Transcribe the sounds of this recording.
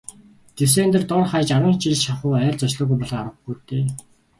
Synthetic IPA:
t̪es̬eːnt̪ɘ̆rt̪ʊrχajt͡ɕaɾwə̆ːnt͡ɕiɮʃaχʊːæːrt͡sɔt͡ɕɮɔ̆ːɣujpɔɮɞ̆aɾwə̆xɡujt̪eː

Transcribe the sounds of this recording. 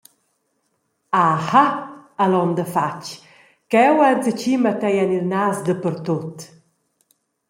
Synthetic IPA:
ahaalɔnd̪əfa̰t͡ʃ | kɛwat͡sət͡ʃimat̪ɛjanilnaːsd̪əpəɾt̪ot̪

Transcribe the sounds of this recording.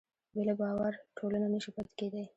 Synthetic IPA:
belabɑwaɾʈʰolananiʃipət̪ked̪e

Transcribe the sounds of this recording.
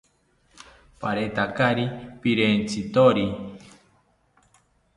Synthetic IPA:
paɾet̪akaɾipiɾent͡sʰit̪oɾi

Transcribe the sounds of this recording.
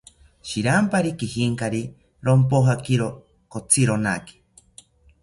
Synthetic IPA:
ʃiɾampaɾikihiŋkaɾi | ɾompoɦakiɾo | kot͡sʰiɾona̰ki̥

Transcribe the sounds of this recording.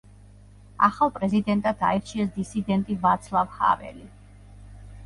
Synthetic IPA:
aχalˠpʼɾɛzid̪ɛnt̪ʼad̪ʰa̰ɛɾt͡ʃʰiɛsd̪isid̪ɛnt̪ʼivat̪sʰlˠavha̰vɛ̰li

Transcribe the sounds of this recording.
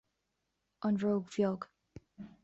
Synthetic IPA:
ʔə̃nɹoʊɡvjɔɡ̥

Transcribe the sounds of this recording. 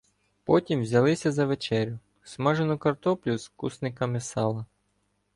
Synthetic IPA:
pɔtʲimʋzʲɐlˠɪsʲɐzɐʋet͡ʃɛɾʲʊ | smɑʒenʊkɐrt̪ɔplʲʊskusnɪkɐmɪsɑlˠɐ

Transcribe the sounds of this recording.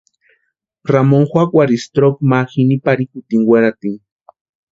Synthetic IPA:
ramoŋxwakwaɾist̪ɾok̚maxinipaɾikut̪iŋwʷeɾat̪iŋ

